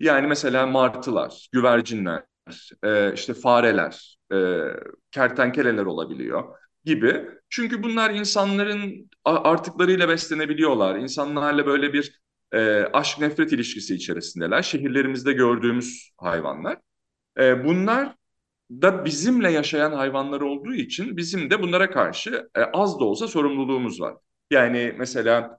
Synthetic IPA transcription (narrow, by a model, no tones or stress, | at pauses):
jaːnimɛse̞lʲaːmaɾt̪ʰɯlˠa̰ɾ̥ɟ̥yvæɾd͡ʒinlʲæ̰ | ɾ̥ɛːḭʃt̪ʰɛfaːɾelʲæ̰ɾ̥ | ɛːcʰæɾt̪ʰænce̞lʲelʲæɾo̞lˠa̰bilʲḭjo̞̰ | ɟibit͡ʃʰyɲcybunlˠaɾinsanlˠaɾɯn | aʔaɾt̪ʰɯklˠaɾɯjlˠabɛslʲe̞ne̞bilʲijo̞lˠaɾinsanlˠaɾlˠabø̞jlʲebiɾ | ɛːaʃk̚nɛfɾɛt̪ilʲiʃcisiːt͡ʃʰe̞ɾisind̪ɛlʲæɾʃe̞ɦiɾlʲe̞ɾimizd̪ɛɟø̞ɾd̪yːmyz̥ | ha̰jva̰nlˠaɾ̥ | ɛːbunlˠaɾ | d̪abizimlʲɛjaʃajanɦajvanlˠaɾo̞lˠd̪uːit͡ʃʰinbizimd̪ɛbunlˠaɾakʰa̰ɾʃɯʔazd̪o̞lˠsaso̞ɾumlˠulˠuːmuzva̰ɾ̥ | jaːnɪmʔɛse̞lʲaː